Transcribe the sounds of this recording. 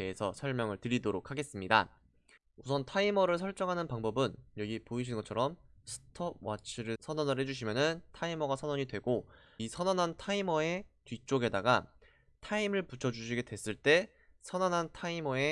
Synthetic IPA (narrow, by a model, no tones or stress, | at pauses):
e̞esʰʌsʰʌɭmjʌŋɯɭtɯɾidoɾokʰaɡe̞s͈ɯmɲida̰ | usʰʌntʰaimʌɾɯɭsʰʌɭt͡ɕ͈ʌŋɦanɯnpaŋbʌbɯnjʌɡipoiɕ̬ʰinɡʌt͡ɕʰʌɾʌmsʰɯ̥tʰʌwat͡ɕʰiɾɯɭsʰʌnʌnɯɭɦe̞d͡ʑuɕ̬ʰimjʌnɯntʰaimʌɡasʰʌnʌɲidwe̞ɡo | isʰʌnʌnɦantʰaimʌe̞tɥit͡ɕ͈oɡe̞daɡa | tʰaimɯɭput͡ɕʰʌd͡ʑuɕ̬ʰiɡe̞dwes͈ɯɭt͈e̞ | sʰʌnʌnɦantʰaimʌe̞